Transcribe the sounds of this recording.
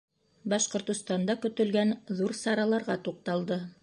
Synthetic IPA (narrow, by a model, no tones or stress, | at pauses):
bɑʃqŏɾt̪ŏst̪ɑnd̪ɑkɵ̆t̪ɵ̆lɡænðuɾsɑɾɑlˠɑɾʁɑt̪uq̚t̪ɑlˠd̪ɤ